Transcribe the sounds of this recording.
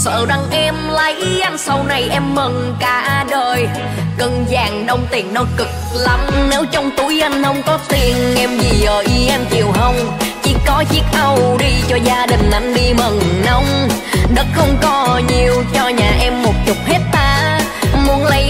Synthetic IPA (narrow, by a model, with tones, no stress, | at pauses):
sə̰ː˧˩ɗa˧ŋʔɛ˧mla˨˦jʔa˧jŋ̟sa˧wna˨˩jʔɛ˧mːə˨˩n | kaː˧˩ʔaː˧ɗəː˨˩j | kə˧˩nzaː˨˩ŋɗə˧wŋ͡mt̪i˨˩əŋnɔ˨˦kɨ˨˩k̚la˨˦mne˨˦wt͡ɕɔ˧wŋ͡mt̪u˨˦jʔa˧jŋ̟hə˧wŋ͡mkɔ˨˦t̪i˨˩ənʔɛ˧mzi˨˩ʔəː˨˩ʔi˧ʔɛ˧mt͡ɕi˨˩əwɦə˧wŋ͡mt͡ɕi˧˩kɔ˨˦zi˦˥ək̚ʔə˧wɗi˧t͡ɕɔ˧zaː˧ɗï˨˩ŋ̟ʔa˧˩jŋ̟ɗi˧mə˨˩ŋnə˧wŋ͡m | ɗə˦˥t̚xə˧wŋ͡mkɔ˨˦ɲi˨˩əwt͡ɕɔ˧ɲaː˨˩ʔɛ˧mːo˨˩t̚t͡ɕʊ˨˩k͡p̚he˦˥t̚t̪aː˧ | mu˨˦ənlə˨˦